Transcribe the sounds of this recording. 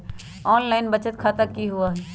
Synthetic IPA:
ɔːnlaɪnbət͡ʃət̪kʰat̪əkːiɦuaɦi

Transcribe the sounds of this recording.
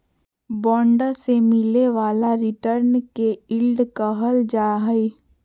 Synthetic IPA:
bɔ̃ːɳɖəsemɪleʋaːlaɾɪʈəɾnkeɪlɖkəɦəld͡ʒaːɦəe

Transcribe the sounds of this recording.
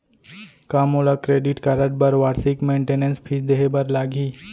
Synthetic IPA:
kamɦolakɾeɖiʈkaɾəʈ̚bəɾʋaːɾsikmẽːɳʈenenspʰid͡ʒd̪eɦebəɾlaːɡʱiː

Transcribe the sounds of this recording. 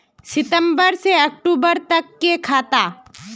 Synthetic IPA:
sɪt̪əmbəɾseɐk̚ʈuːbəɾt̪ɐkːekʰaːt̪aː

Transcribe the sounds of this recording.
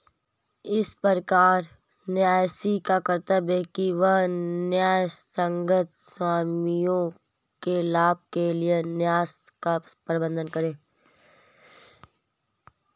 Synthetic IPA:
ɪspəɾkaːɾ | njaːjsikakəɾt̪əbɦɛkiʋɐɦnjaːjsə̃ŋɡət̪swaːmijõ | kelaːb̚kelienjaːskapɾɪbə̃nd̪ʱənkəɾẽː

